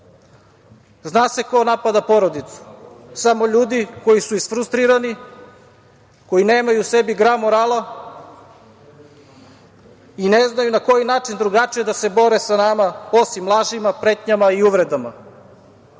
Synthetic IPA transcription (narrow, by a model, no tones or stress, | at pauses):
znaːse̞ko̞napad̪apo̞ɾo̞d̪it̪su̥samo̞ʎuːd̪iko̞jisuisfɾust̪ɾiɾani | ko̞jineːmajuse̞biɡɾamoɾaːlˠa | ine̞znajunako̞jinaːt͡ʃind̪ɾuɡat͡ʃijed̪ase̞bo̞ɾe̞sanamaosimːlˠaʒimapɾe̞t̪ɲamaiuʋɾe̞d̪ama